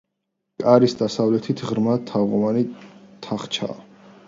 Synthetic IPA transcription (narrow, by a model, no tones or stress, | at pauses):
kʼaɾisd̪asavlɛt̪ʰit̪ʰʁɾmat̪ʰːaʁɔmanit̪ʰaχt͡ʃʰa̰ː